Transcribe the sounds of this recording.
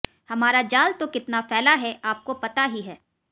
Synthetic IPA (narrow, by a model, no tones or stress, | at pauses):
hɐmaːɾad͡ʒaːlt̪okɪt̪nafɛːlaɦɛʔaːp̚kopɐt̪aɦiɦɛː